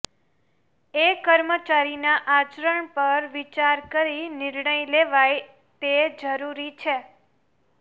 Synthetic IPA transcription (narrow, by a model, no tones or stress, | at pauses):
ekəɾmət͡ʃaɾinaʔat͡ʃɾəɳpəɾʋit͡ʃaɾkəɾinɪɾɳəjleʋaj | t̪ed͡ʒəɾuɾit͡ʃʰe